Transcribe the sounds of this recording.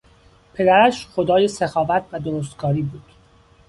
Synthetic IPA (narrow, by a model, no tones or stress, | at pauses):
pʰe̞d̪æɾæʃχod̪ɒːjesexɒːvæt̪ʰvæd̪oɾos̬t̪ɡɒːɾiːbuːd̪̥